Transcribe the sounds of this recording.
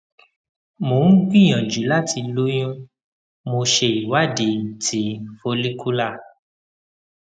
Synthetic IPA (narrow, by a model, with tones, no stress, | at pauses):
mo˨ŋ̩˦ɡ͡bĩ˦˨j̃ã˨d͡ʒu˨˦la˦˨ti˧lo˦j̃ũ˦ | mo˧ʃe˧i˨wa˦˨de˨tʰi˨˦fo˧li˦ku˦la˦˨